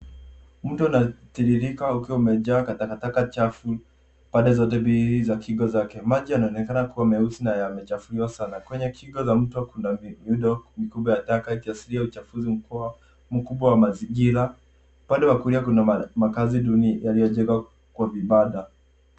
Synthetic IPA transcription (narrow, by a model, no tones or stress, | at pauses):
m̩tuanatiɗiɾikaukiwaumɛʄaːkatakatakat͡ʃafu | paɗdɛzɔt̬ɛbiizakiɡɔzakɛmaʄianaɔnɛkanakuwamɛusinajamɛt͡ʃafuliwasanakwɛɲɛkʰiɡɔzam̩takundamiuɗɔmikuɓwajatakaikiasiliaut͡ʃafuzim̩kua | m̩kuɓwawamaziŋɡiɾa | paɗɛwakuliakunamakaziɗunijalijɔʄɛŋɡa | kwaviɓaɗa